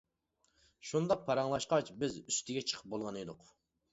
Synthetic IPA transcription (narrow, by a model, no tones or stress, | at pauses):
ʃund̪ɑq̚pʰɑɾɑŋlˠɑʃqɑt͡ʃbɪzyst̪ʰɪɡʲɛt͡ʃʰə̥qʰə̥p̚bolˠʁɑnɨjd̪ʊq